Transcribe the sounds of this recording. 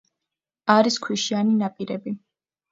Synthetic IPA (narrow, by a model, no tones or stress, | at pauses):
aɾiskʰwiʃianinapʼiɾɛbi